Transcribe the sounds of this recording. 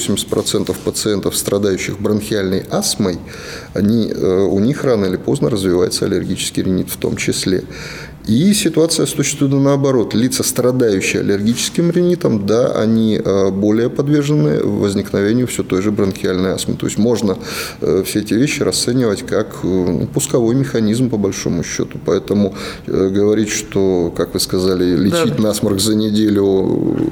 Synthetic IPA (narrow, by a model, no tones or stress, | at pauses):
osʲɪmʲɪsʲtʲpɾɐt̪sɛnt̪əfpət̪sɨɛnt̪əfst̪ɾɐd̪ajʉɕːɪxbɾənxʲɪalʲnəjasməj | ɐnʲiʊnʲixranəɪlʲɪpo̞znəɾəzvʲɪvajɪt̪səɐ̰lʲɪrɡʲit͡ɕɪ̥skʲɪjɾʲɪnʲit̪ft̪o̞̰mt͡ɕɪsʲlʲḛ | isʲɪt̪ʊat̪sɨjəsʊɕːɪ̥st̪vujɪnənəɐbɐɾo̞t̪lʲit̪səst̪ɾɐd̪ajʉɕːɪjɐ̰lʲɪrɡʲit͡ɕɪ̥skʲɪmɾʲɪnʲit̪əmd̪aʔɐ̰nʲiəbo̞lʲɪjəpɐd̪vʲe̞rʐɨnːɨ̰vəzʲnʲɪknɐvʲenʲɪjʊfsʲot̪o̞jʐɨbɾənkʲɪalʲnəja̰smə̰t̪oɪsʲtʲmo̞ʐnəfsʲeɛtʲɪvʲeɕːɪɾʔɐst̪sɛnʲɪvətʲkaknṵpʊskɐvo̞jmʲɪxɐnʲizmpəbɐlʲʂo̞̰mʊɕːo̞̰t̪ʊ̥pɐɛt̪əmʊ | ɡəvɐɾʲitʲʂt̪okakvɨskɐzalʲɪlʲɪt͡ɕitʲnɐasmərɡzənʲɪdʲelʲʊ